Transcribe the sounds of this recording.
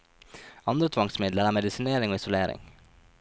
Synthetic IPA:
ɑnd̪ɾət̪ʰʋɑŋsmɪd̪ləɾæːmɛd̪ɪsɪneːɾɪŋoːɪsʊleːɾɪ̰ŋ

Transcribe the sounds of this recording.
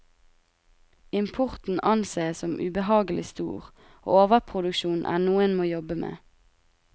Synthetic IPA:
ɪmpʰʊʁt̪n̩ʔɑnseːsɔmʔʉ̰bəhɑːɡəlɪst̪ṵːʁ | ʔo̰ːoːʋəpʰʁʊd̪ʉkʃuːnʔæ̰ːnuːənmoːjɔbəmḛː

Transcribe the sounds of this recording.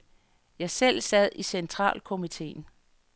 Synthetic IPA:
jɑ̈ɪsel̰sɛð̞̰ˠisent͡sʰʁɑ̰̈ːlkʰo̝mit͡sʰe̝̰ːn

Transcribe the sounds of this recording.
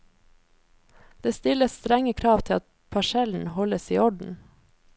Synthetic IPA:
d̪̥eːst̪ɪləst̪ɾɛŋəkʰɾɑːʋt̪ʰɪlɑt̪̚ | pʰɑʃɛln̩hɔləsiːɔɖn̩

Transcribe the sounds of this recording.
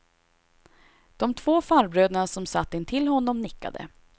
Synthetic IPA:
d̪̥ɔmt̪ʰvoːfaɾbɾøːd̪aɳasɔmsat̪ːɪnt̪ʰɪlːɦɔnːɔmnɪkːa̰d̪ə̰

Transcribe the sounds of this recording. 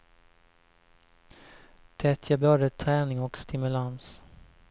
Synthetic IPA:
t̪ʰɾɛt̪ʰjəbœɖət̪ʰːɾɛːnɪŋɔkst̪ɪmɵlans

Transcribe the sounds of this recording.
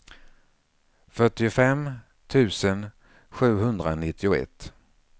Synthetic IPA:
fœʈːɪʊfɛm | t̪ʰʉ̟ːsən | ɧʉ̟ːɦɵnd̪ɾanɪt̪ːɪʊɛ̰t̪ː

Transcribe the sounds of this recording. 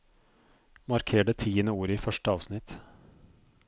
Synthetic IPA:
mɑɾkʰeːɖət̪ʰiːənəuːɾiːfœʂʈəɑːʋsnɪt̪

